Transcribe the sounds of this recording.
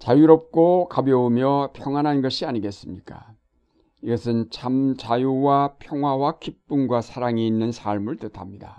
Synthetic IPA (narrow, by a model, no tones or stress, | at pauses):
t͡ɕajuɾʌp̚k͈okabjʌumjʌpʰjʌŋwanɦanɡʌɕʰiaɲiɡe̞s͈ɯmɲik͈a̰ | iɡʌsʰɯnt͡ɕʰamt͡ɕajuwapʰjʌŋɦwawakip̚p͈unɡwasʰaɾaŋiːnːɯnsʰaɭmɯɭtɯtʰamɲida